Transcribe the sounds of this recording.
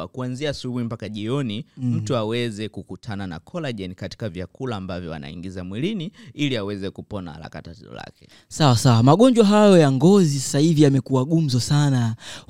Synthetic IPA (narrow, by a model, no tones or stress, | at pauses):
akuanziaːsuɓuimpakaʄiɔnim̩tuawɛzɛkukutʰanana̰kʰɔlaʄɛnikati̥kavjakulaːmbavjɔa̰na̰ḭŋɡizamwiliniiliawɛzɛkupɔna̰la̰katatɛzɔ̰la̰kɛ̥ | sawasawamaɠɔɲd͡ʒwaɦajɔjaŋɡɔzisḁsahivijamɛkuaɠum̩zɔsana